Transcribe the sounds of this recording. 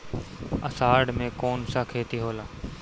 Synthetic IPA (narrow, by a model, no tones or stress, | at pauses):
əsaːɖmẽːkoːnsaːkʰeːt̪iɦoːlaː